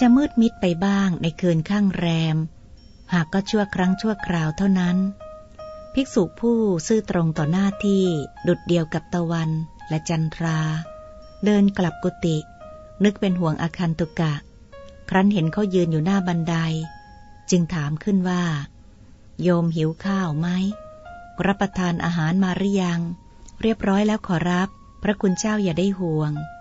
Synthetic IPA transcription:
t͡ɕa˨˧mɯː˥˩t̪̚mi˦˥t̪̚pa˧jbaː˥˩ŋna˧jkʰɯː˧nkʰaː˥˩ŋɾɛː˧m | haː˨˩kːɔː˥˩t͡ɕʰu˥˩əkʰɾa˦˥ŋt͡ɕʰu˥˩ɐkʰɾaː˧wt̪ʰa˥˩wna˦˥n | pʰi˦˥k̚suː˨˩k̚pʰuː˥˩sɯː˥˩t̪ɾo˧ŋt̪ɔː˨˩naː˥˩t̪ʰiː˥˩du˨˩t̪̚di˧əwka˨˩p̚t̪a˧wa˧nlɛ˦˥t͡ɕa˧nt̪ʰɾaː˧ | dɤː˧nkla˨˩p̚ku˨˧˩t̪i˨˩ | nɯ˦˥k̚pe˧nɦu˨˩əŋʔaː˧kʰaː˧nt̪u˨˩ka˨˩ | kʰɾa˦˥nɦe˩˦nkʰa˦˥˩wjɯː˧njuː˨˩naː˥˩ba˧nda˧j | t͡ɕɯ˧ŋt̪ʰaː˩˦mkʰɯ˥˩nwaː˥˩ | joː˧mɦi˩˦wkʰaː˥˩wma˦˥j | ɾa˦˥pːɾa˧t̪ʰaː˧nʔa̰ː˧ɦaː˩˦nmaː˧ɾa˦˥ja˧ŋ | ɾi˥˩əp̚ɾɔː˦˥jlɛː˦˥wkʰɔː˩˦ɾa˦˥pʰːɾa˦˥kʰu˧nt͡ɕaː˥˩wjaː˨˩daː˥˩jɦu˨˩əŋ

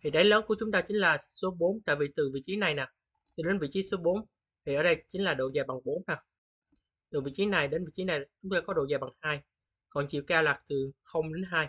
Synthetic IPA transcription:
t̪ʰi˨˩ɗə˨˦jləː˨˦nku˧˩ət͡ɕʊ˨˦ŋ͡mt̪aː˧t͡ɕï˨˦ŋ̟laː˨˩so˨˦ɓo˨˦nt̪a̰ː˧˨vi˨˩t̪ɨ˨˩vḭ˧˨t͡ɕi˨˦na˨˩jnaː˨˩ | t̪ɨ˨˩ɗe˨˦nvḭ˧˨t͡ɕi˨˦so˨˦ɓo˨˦n | t̪ʰi˨˩ʔəː˧˩ɗə˧jt͡ɕi˨˦ŋ̟laː˨˩ɗo̰˧˨zaː˨˧˩jɓa˨˩ŋɓo˨˦nnaː˨˩ | t̪ɨ˨˩vḭ˧˨t͡ɕi˨˦na˨˩jɗe˨˦nvḭ˧˨t͡ɕi˨˦na˨˩jt͡ɕʊ˨˦ŋ͡mt̪aː˧kɔ˨˦ɗo̰˧˨zaː˨˩jɓa˨˩ŋhaː˧j | kɔ˨˩nt͡ɕḭ˧˨wkaː˧wlaː˨˩k̚t̪ɨ˨˩xə˧wŋ͡mɗe˨˦nɦaː˧j

